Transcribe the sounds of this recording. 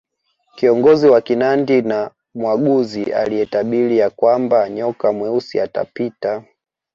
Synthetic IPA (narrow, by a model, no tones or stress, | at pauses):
kiɔŋɡɔziwakinandina | mwaɠuzia̰lijɛtaɓilijakwambaɲɔkamwɛusḭata̰pita